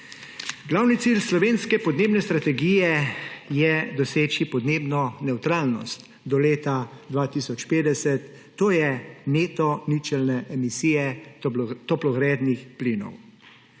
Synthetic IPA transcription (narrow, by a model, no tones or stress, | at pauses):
ɡlawnit̪silslɔʋeːnskɛpɔd̪neːbnɛst̪ɾat̪ɛɡijɛjɛd̪ɔseːt͡ʃipɔd̪neːbnɔnɛwt̪ɾaːlnɔ̰st̪ | d̪ɔleːt̪ad̪ʋaːt̪isɔt͡ʃpeːd̪ɛsɛt̪ː | oːjɛmeːt̪ɔnit͡ʃɛlnɛʔɛmisiːjɛ | t̪ɔplɔɣɾɛːd̪nixplinɔ̰w